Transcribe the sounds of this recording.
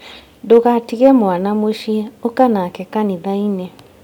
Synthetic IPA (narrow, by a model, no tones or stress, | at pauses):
doɣatiɣɛmwanamweʃiɛokanakɛkaniðainɛ